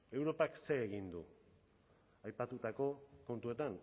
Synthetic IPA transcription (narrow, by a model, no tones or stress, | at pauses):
e̞wɾo̞pakse̞eɣind̪u | ajpat̪ut̪ako̞ko̞nt̪ue̞t̪an